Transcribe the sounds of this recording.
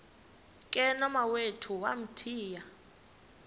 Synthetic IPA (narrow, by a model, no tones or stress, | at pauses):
kʼɛnɔmawetʰuwa̰m̩tʰiːja